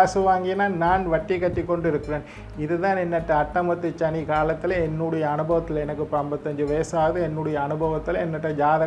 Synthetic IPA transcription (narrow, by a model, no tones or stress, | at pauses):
aːsɯʋaːŋɡɪjnaːnaːnʋɐʈːikːɐʈːikːɔɳɖɪɾɯkːɪɾeːn | ɪðɯðaːnɛnːɐʈːɐɐʈːɐmɐt̪ːɯt͡ʃːɐnikaːlɐt̪ːɪlɛnːuɽɐjɐːnɯbɐʋɐt̪ːɪlɛnɐkːɯpɐmbɐt̪ːɐɲd͡ʒɯʋɐjɐsaːʋɐðɯɛnːuɽɐjɐːnɯbʱɐʋɐt̪ːɪlɛnːɐʈːɐd͡ʒaːðɐ